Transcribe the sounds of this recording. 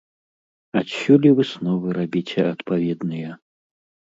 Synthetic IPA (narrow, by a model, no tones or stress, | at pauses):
at̪ɕʲulʲivɨsnɔvɨɾabʲit͡sʲɛɐt̪pavʲɛd̪nɨjɐ